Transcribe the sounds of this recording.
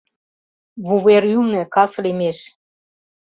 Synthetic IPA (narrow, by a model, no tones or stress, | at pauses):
βuβeɾymnĕkɑslimeʃ